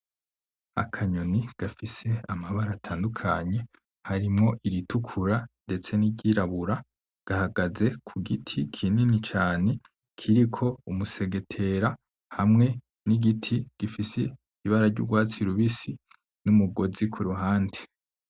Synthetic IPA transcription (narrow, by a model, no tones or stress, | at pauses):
a̰kʰaɲoniɡ̥afise̞amaβaɾatʰaːndukʰa̰ɲe̞ | haɾimŋo̞ʔiɾitʰukʰuɾande̞t͡se̞niɟiɾaβuɾa | ɡ̥ahaɡaze̞kʰuɡitʰikʰininit͡ʃaːne̞ | kʰiɾikʰo̞umuse̞ɡe̞tʰe̞ɾa | hamŋe̞ | niɡitʰiɡ̥ifise | iβaɾaɾɟṵɡwaːt͡siɾuβisi | numuɡo̞zikʰuɾuɦaːnde